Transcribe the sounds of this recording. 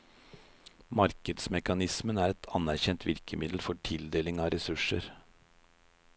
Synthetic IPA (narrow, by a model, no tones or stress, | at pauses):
mɑɾkəd̪smɛkɑnɪsmənæːɾɛt̪ʰɑnæɾçɛnt̪ʰʋɪɾkəmɪd̪l̩fɔʈʰɪld̪eːlɪŋɑːɾɛsʉʂəɾ